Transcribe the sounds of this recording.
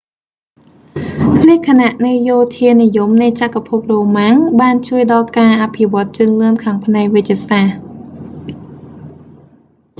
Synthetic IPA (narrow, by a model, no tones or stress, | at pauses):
pʰnikʰanaʔnɨjoːt̪ʰiənijumnɨjt͡ɕakapʰup̚roːmaŋɓaːnt͡ɕuəjɗɑlkaːʔapʰiʋŏət̪̚t͡ɕɨːəŋlɨənkʰaːŋpʰnaɛk̚ʋɨc̪̚t͡ɕːiəsaːh